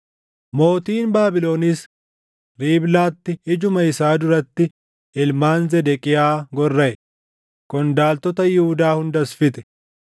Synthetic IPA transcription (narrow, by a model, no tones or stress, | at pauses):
mo̞ːt̪iːnbaːbɪlo̞ːniːs | ɾiːblaːt̪ːɪɪd͡ʒʊmɐɪsaːd̪ʊɾɐt̪ːɪ | ɪlmaːnzɛd̪ɛkʼɪjaːɡɔrːɐʔɛ | kʊnd̪aːlt̪ɔt̪ɐjɪhʊd̪aːhʊnd̪ɐsfɪt̪ɛ̥